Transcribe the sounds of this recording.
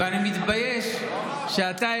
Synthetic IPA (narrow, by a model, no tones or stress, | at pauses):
animit̪bɐjeʃ | ʃat̪a